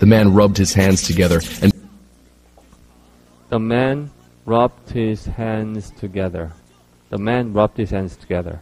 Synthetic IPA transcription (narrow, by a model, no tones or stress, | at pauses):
ðɨmæ̃nɹʌb̚d̚hɨz̥hæ̃ndz̥tʰɨɡɛðə˞ʔɨ̃n | ðəmæ̃n | ɹɑp̚t̚hɪz̥hæ̃nz̥tʰɨɡɛðə̰˞ | ðəmæ̃nɹɑp̚t̚hɨz̥hæ̃ndz̥tʰəɡɛðə̰˞